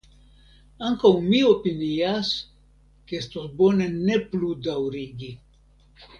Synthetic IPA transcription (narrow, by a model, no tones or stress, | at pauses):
aŋkawmio̞pinias | keestosbo̞ne̞ne̞pludawɾiɡi